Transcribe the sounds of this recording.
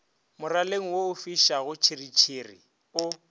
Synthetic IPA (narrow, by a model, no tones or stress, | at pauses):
mʊraleŋ̩woʊfiʃaɣʊt͡ʃʰirit͡ʃʰiri | ʊ